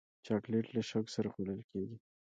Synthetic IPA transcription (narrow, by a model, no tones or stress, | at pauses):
t͡ʃɑkleʈlaʃaksaɾaxoləlkeɡi